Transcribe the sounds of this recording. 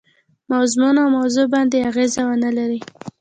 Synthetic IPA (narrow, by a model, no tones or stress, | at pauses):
mawzmunawmawzubɑnd̪eaɣezawənalaɾi